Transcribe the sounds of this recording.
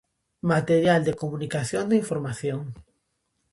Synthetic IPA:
mat̪eɾjald̪ekomunikaθjond̪eiɱfoɾmaθjoŋ

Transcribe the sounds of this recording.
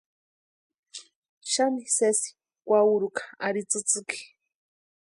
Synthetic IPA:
ʃamisesi̥ | kʷauɾukḁa̰ɾit͡sɨt͡sɨki̥

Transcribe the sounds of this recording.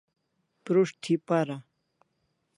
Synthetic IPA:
pɾuʂt̪ʰipaɾa

